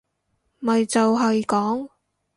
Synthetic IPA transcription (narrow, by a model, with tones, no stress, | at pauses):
mɐ˨jt͡sɐ˨wɦɐ˨˧jkɔː˨˥ŋ